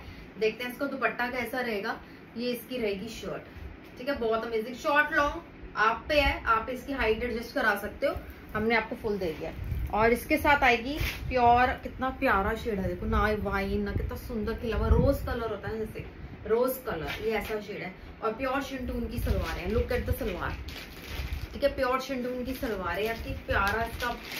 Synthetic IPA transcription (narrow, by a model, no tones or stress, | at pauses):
d̪eːk̚ʰt̪ẽɦɛ̃ɪskot̪obɐʈːakɛːsaɾɐɦeːɡa | jeɪskiɾɐɦeːɡiʃɔːɾʈɛ | ʈʰiːkɛbɔːt̪ɐmeːzɪ̃ŋʃɔːɾʈlɔːŋ | aːpːeɦɛʔaːpːeɪskiɦaːɪɖeɽd͡ʒɛsʈkɐɾaːsɐk̚t̪eɦoː | ɦɐmneaːp̚kofʊld̪eːd̪ija̰ːɔːɾɪskesaːt̪ʰaːeːɡipjɔːɾkɪt̪napjaːɾaʃeːɖɦɛd̪eːkʰonaʋaːinːɐkɪt̪nasʊ̃nd̪əɾkʰɪlaːʋãɾoːzkɐləɾɦoːt̪aɦɛ̃ɛse | ɾoːzkɐlə̰ɾjeɛːsaʃeːɖɦɛː | ɔːɾpjɔːɾʃɪ̃ɳʈunkisɐlʋaːɾɛ̃ɛ̃lʊkɛːʈ̚d̪ɐsɐlʋa̰ːɾ | ʈʰiːkɛpjɔːɾʃɪ̃ɳʈuʊnkisɐlʋaːɾɛ̃jak̪ipjaːɾakɐb